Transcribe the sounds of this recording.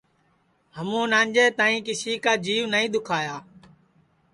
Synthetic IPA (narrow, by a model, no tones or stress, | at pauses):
həmũːnãːɲd͡ʒeːt̪aːĩːkɪsiːkaːd͡ʒiːʋnəĩːd̪ʊkʰaːjaː